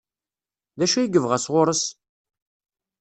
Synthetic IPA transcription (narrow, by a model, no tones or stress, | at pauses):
ðæʃæjiɡəvʁæsʁʊɾəs